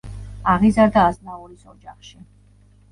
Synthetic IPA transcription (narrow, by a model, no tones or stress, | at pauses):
aʁizaɾd̪aːznauɾisɔd͡ʒaχʃi